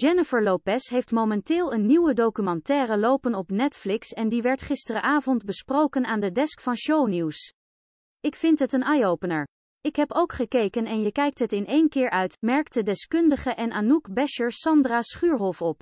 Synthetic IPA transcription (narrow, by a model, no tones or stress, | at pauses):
d͡ʒ̥ɛnɪfəɹlopɛsɦejftmowmɛntɪːlˠənːiwədowkymɑntɛːrəlowpənɔpnɛtflɪksɛndiʋɛɹtχɪstərəʔaːvɔndbəsprowkənaːndədɛskfɑnʃowniws | ɪkfɪntɦətənɑjowpənəɹ | ɪkɦɛpowkχəkejkənɛnjəkɛjk̚tɦətɪnʔejnkɪːɹʔœɥtmɛɹk̚tədɛskɵndəχəʔɛnʔaːnukbɛʃəɹsɑndraːsχyːɹɦɔfɔp